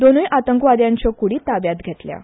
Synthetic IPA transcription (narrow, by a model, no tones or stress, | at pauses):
d̪onujʔat̪əŋkʋad̪jãɲt͡ɕɔkuɽiːt̪abjat̪ɡʱet̪lja̰